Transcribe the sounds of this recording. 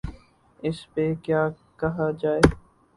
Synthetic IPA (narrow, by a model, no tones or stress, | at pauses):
ɪspekjaː | kɐɦad͡ʒaːeː